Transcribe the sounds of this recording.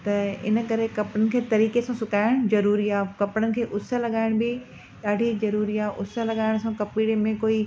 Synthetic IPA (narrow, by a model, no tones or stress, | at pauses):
t̪ɐɪ̰nə̆kɐɾekɐpɽənɪ̆kʰeːt̪ɐɾiːkesãsʊkaːɪɽ̃zɐɾuːɾiaːkɐpɽ̃ənɪ̆kʰeːʔʊsəlɐɠaːɪɽ̃bɪ | ɗaːɖʱizɐɾuːɾiaːʔʊsəlɐɠaːɪɽ̃sãkɐpiːɽemẽkoːi